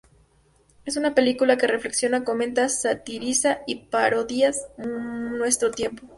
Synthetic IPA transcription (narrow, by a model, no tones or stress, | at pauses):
e̞s̬unape̞likulake̞re̞fle̞ksjo̞nakomẽ̞nt̪asat̪iɾisaipaɾo̞ðias | nwe̞st̪ɾo̞t̪je̞mpo̞